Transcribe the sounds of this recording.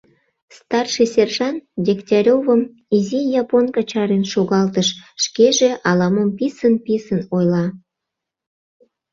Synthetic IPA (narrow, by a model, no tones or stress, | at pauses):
st̪ɑrʃisʲerʒɑndʲektʲɑɾʲovəm | izijɑponkɑt͡ɕɑɾenʃoɣɑlt̪əʃʃkeʒeʔɑlɑməmpisənpisənojlɑ